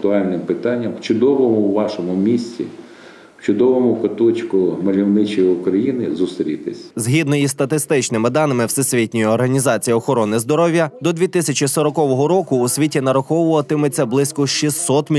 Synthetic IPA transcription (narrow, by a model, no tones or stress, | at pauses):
t̪ʊɑlʲnɪmpɪt̪ɑnʲːɐmwt͡ʃʊd̪ɔʋɔmʊwʋɑʃɔmʊmʲisʲt͡sʲḭ | wt͡ʃʊd̪ɔʋɔmʊkɐt̪ɔt͡ʃʲkʊmɐlʲiwnɪt͡ʃɔjiʊkɾɐjinɪzʊst̪ɾʲit̪ɪsʲzɦʲid̪nɔjist̪ɐt̪ɪst̪ɪt͡ʃnɪmɪd̪ɑnɪmɪwsɛsʲʋʲitʲnʲʊjʊɔrɦɐnʲizɑt͡sʲijɐɔxɔɾɔnɪzd̪ɔɾɔwʲjɐd̪ɔd̪ʲʋʲit̪ɪsʲɐt͡ʃisɔɾɔkɔʋɔɦɔɾɔkʊːsʲʋʲitʲinɐɾɐxɔwʊʋɐt̪ɪmɪt͡sʲːɐblˠɪsʲkɔʃisːɔt̪mʲ